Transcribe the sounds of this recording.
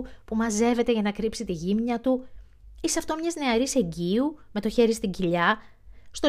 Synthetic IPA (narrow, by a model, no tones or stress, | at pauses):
pumɐze̞ve̞t̪e̞ʝɐnɐkɾipsit̪iʝimɲɐt̪u | iseɐft̪o̞mɲɐzne̞ɐɾise̞ɟiume̞t̪o̞çe̞ɾist̪iɟiʎɐ | st̪o̞